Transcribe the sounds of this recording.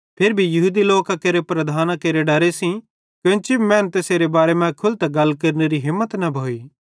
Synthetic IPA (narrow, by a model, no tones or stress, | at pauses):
pʰeɾbʱijɐɦuːd̪iloːkãkeːɾepɾɐd̪ʱaːnãkeːɾeɖɐɾesĩ | kjõt͡ʃibimɛ̃ːnt̪eːseɾebaːɾemɛ̃kʰʊlt̪aɡɐlːkɐɾneɾiɦɪ̃mːət̪nɐbʱoːiː